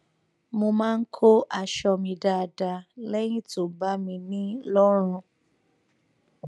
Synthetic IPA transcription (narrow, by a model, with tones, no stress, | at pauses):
mo˧mãː˦˧˦kʰo˦ʔa˦˨ʃɔ˧mĩ˧da˧da˧lɛ˦j̃ĩ˦to˨ba˦mĩ˧nĩ˦lɔ˦ɾ̃ũ˧